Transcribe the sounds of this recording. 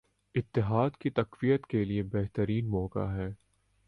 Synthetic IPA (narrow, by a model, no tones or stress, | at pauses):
ɪt̪ːɪɦaːd̪kit̪ɐqʋijət̪keliebɛɦt̪əɾiːnmɔːka̰ɦɛː